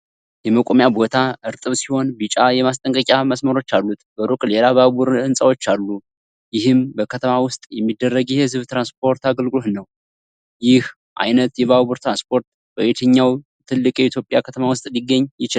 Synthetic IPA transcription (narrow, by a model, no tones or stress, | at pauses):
jɛməkʼomjabo̞t̪ʰaɨɾt̪ʼɨβsiho̞nbɨt͡ʃʼajɛmast̪ʼəŋkʼəkʼaməsməɾo̞t͡ʃːalːut̪bəɾukʼlelaβabuɾɨnsʼawo̞t͡ʃːalːu | jɪhɨmbəkʰət̪ʰəmawʊst̪ʼjɛmːid̪ːərːəɡjɪhezɨβt̪ɾanspʰo̞ɾt̪aɡəlɡɨlo̞t̪nəw | jɪh | ʔa̰jnət̪jɛβaβuɾt̪ɾanspʰo̞ɾt̪ | bəwet̪ʰəɲːaw | t̪ʰɨlːɨkʼjɛit̪ʰjo̞pʼjakʰət̪ʰəmawʊst̪ʼliɡːəɲːjɪt͡ʃɪl